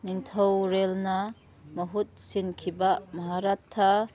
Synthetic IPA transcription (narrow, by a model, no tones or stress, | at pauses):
niŋt̪ʰɔwɾelnɐ | mɐɦut̪̚sinkʰibamɐɦaɾat̪ʰːa